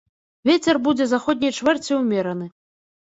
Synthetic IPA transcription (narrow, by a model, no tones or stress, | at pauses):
vʲet͡sʲɛrbud͡zʲɛzaxɔd̪ʲnʲɐjt͡ʂvɛrt͡sʲiwmʲɛɾɐnɨ